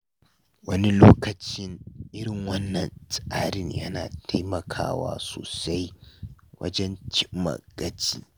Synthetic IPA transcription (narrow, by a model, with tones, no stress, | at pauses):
wɐ˦ni˦loː˦kɐ˨t͡ʃɪ˦ŋʔɪ˦ɽɪ˨ŋwɐ˦nːɐ˨nsʼaː˦ɽɪ˦ɲjɐ̰˦na̰ː˨tʰa˦jmɐ˨kʰa̰ː˦wa̰ː˦so̰ː˨sa˦jwɐ̰˦d͡ʒɛ˦nt͡ʃɪ˦mːɐ̰˨ɡ̥ɐ˦t͡ʃiː˦